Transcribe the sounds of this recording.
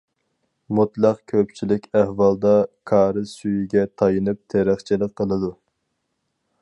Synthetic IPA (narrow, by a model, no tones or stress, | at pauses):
mut̪lˠɑqkʲʰøpt͡ʃʰilɪkʲæhvɑlˠd̪ɑkʰɑːɾɨsyjiɡʲɛt̪ʰɑjɨnɨp̚t̪ʰeɾæχt͡ʃʰilɪk̚qʰːəlˠɨd̪u